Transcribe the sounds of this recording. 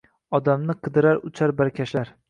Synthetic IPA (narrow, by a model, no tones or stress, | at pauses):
ɒd̪amnɪqʰɨd̪ɪɾaɾʊt͡ʃʰaɾbaɾkʲʰaʃlaɾ